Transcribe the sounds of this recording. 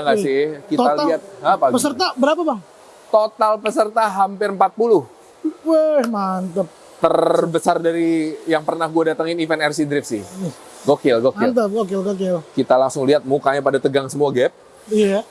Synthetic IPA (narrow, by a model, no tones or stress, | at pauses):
aŋɡasɪkit̪aliat̪̚apapəsərt̪abəɾapabaŋ | t̪ot̪alpəsərt̪aɦampɪrəmpat̪̚pulʊh | wəhmant̪əp̚ | t̪ərbəsardaɾijaŋpərnahɡuadat̪əŋɪnifɛnɛrsidɾɪfsɪh | ɡokɪlɡokɪt̪əɡokɪlɡokɪlkit̪alaŋsʊŋliɦat̪̚mukaɲapadat̪əɡaŋsəmuaɡɛp̚ | ija